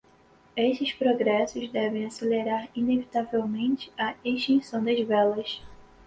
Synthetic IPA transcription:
eʃtɪspɾoɡɾɛsʊzd̪ɛvẽj̃aseleɾaɾinevit̪avewmẽnt͡ʃɪ̥ɐeʃt̪ĩsɐ̃w̃d̪ɐzvɛlɐs

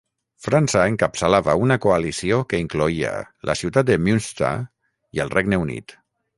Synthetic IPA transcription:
fɾansəeŋkapsəlaβəunakoalisiokəiŋkloiə̰lʔə̰siwt̪at̪̚d̪əmunst̪a̰ | iəlˠrɛɡnəunḭt̪

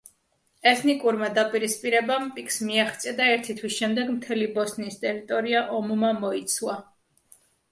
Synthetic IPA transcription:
ɛt̪ʰnikʼuɾmad̪apʼiɾispʼiɾɛbampʼikʰsmiaχt̪sʼiad̪aɛɾt̪ʰit̪ʰwisʃɛmd̪ɛɡmt̪ʰɛlibɔsnist̪ʼɛɾit̪ʼɔɾiaʔɔmumamɔit̪sʰwa

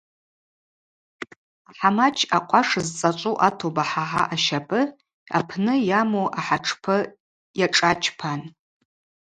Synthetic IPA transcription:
aħamat͡ʃʰaqʷʰʼaʂzt͡sʼat͡ʃʷʼuʔatʰobaħaħa̰ʔaʃapʼɨ | a̰pʰnɨjamoʔaħaʈ͡ʂʰpʰɨ | jaʈ͡ʂʼat͡ʃʰpʰan

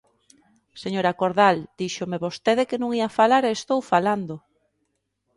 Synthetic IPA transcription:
seɲoɾakoɾðald̪̥iʃomeβost̪eðekenũŋiafalaɾeːst̪owfaland̪o

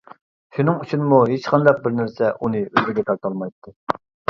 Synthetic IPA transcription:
ʃunɨŋut͡ʃʰunmuɦet͡ʃqʰɑnd̪ɑq̚bɪɾnæɾsɛʔunɨøzɡ̪ɪɡʲɛt̪ʰɑɾt̪ʰɑlˠmɑjt̪ʰːɨ

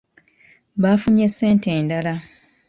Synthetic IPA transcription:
βaːfuɲe̞sːe̞ːnte̞ːndala

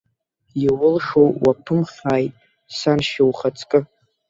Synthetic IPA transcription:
jiwʊlʂowwapʰɨmχʲaːjtʼ | sanʃawχat͡sʰʼkʼɨ

